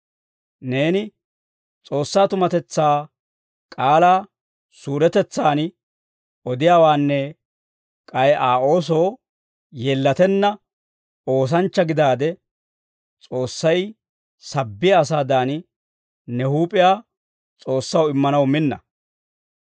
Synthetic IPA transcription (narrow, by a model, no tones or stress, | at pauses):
ne̞ːnɪ | t͡sʼo̞ːsːaːt̪ʊmɐt̪ɛt͡sːaː | kʼaːlaː | suːɾɛt̪ɛt͡sːaːn | ʔɔd̪ɪjaːwaːnːɛ | kʼɐjʔaːʔo̞ːs̬o̞ː | jeːlːɐt̪ɛnːɐ | o̞ːs̬ɐnt͡ʃːɐɡɪd̪aːd̪ɛ | t͡sʼo̞ːsːɐj | sɐbːɪjɐːs̬aːd̪aːn | nɛhuːpʼɪjaː | t͡sʼo̞ːsːɐwɪmːɐnɐwmɪnːɐ̰